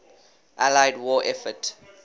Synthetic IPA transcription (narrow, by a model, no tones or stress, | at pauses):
ʔalajdwɔʔɛfət